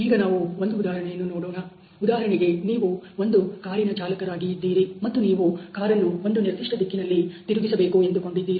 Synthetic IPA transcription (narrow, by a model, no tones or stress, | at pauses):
iːɡɐnaːʋuond̪uːd̪aːɦɐɾɐɳɛjɐnːunoːɽoːnɐ | ud̪aːɦɐɾɐɳɛɡe̞niːʋuo̞nd̪ukaːɾinɐt͡ʃaːlɐkɐɾaːɡijid̪ːiːɾimɐt̪ːuniːʋukaːɾɐluo̞nd̪uniɾd̪iʂʈɐd̪ikːinɐlːit̪iɾuɡisɐbe̞ːkue̞nd̪uko̞ɳɖid̪ːiːɾi